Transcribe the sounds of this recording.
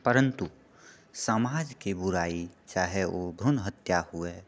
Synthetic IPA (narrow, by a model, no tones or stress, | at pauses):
pəɾə̃nt̪u | samaːd͡ʒkibʊɾaːit͡ʃaːɦeobʱɾʊnɦət̪jahʊe